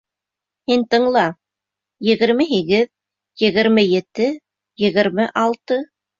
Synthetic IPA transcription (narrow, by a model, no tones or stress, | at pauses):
hint̪ɤ̆ɴlˠɑ | jɘ̆ɣɘ̆ɾmɘɦiɡɘð | jɘ̆ɣɘ̆ɾmɘjɘ̆t̪ɘ | jɘ̆ɣɘ̆ɾmɘʔɑlˠt̪ɤ